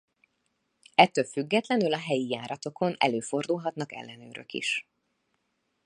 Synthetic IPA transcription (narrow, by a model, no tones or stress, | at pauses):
ɛt̪ːølfyɡːɛt̪lɛnylɒɦɛjijaːɾɒt̪o̞kʰo̞nɛ̰løːfo̞rd̪ulɦɒt̪nɒkɛ̰lːɛnø̰ːɾø̰kḭʃ